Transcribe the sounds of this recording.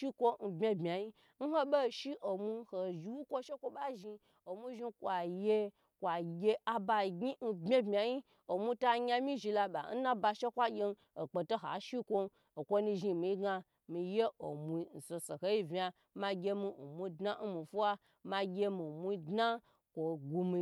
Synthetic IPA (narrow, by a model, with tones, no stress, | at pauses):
ʃi˦kʷo˦n̩˧bmʲe˦bmʲ˨a˨ji˦ | n̩˦ho˦be˦˨ʃi˦ʔo˨mu˧˦ho˨ʒi˧wu˦kʷo˦ʃe˦kʷo˧ɓa˦ʒi˧ | o˨mu˦ʒi˧kʷa˨je˦˧ | kʷa˨ɡʲe˧a˧ba˧˨ɡi˦n̩˧bʲe˦bmʲ˨a˨ji˦ | o˨mʷu˧ta˧˦ɲʲa˧mi˦ʒi˧la˧ɓa̰˨n̩˦na˦ba˧ʃe˦kʷa˦ɡʲe˧n˦ | o˨k͡po˨to˦ɦa̰˨ʃi˦kʷo˧ | o˨kʷo˧ni˧ʒi˧˨mi˨i˦ɡa˧ | mi˨je˦o˨mu˨˧i˦˧n̩˨so˨˧so˨ho˦ji˦vʲi˧a˧ | ma˧ɡʲe˧mi˧o˨mʷu˧˦dna˦n̩˦mi˨fu˦wa˦ | ma˧ɡʲe˧mi˨mu˧˦i˦dna˦ | kʷo˨ɡu˧mi˨˧